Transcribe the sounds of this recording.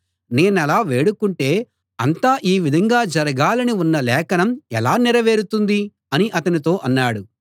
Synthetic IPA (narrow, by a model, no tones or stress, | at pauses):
ne̞ːnɛlaːʋe̞ːɽukuɳʈe̞ː | ɐ̰nt̪aːʔiːʋid̪ʱɐŋɡaːd͡ʒɐɾɐɡaːlɐniunːɐlɛːkɐnɐmɛlaːnɛɾɐʋe̞ːɾut̪und̪i | ɐniʔɐt̪ɐnit̪̬o̞ːʔɐnːaːɽu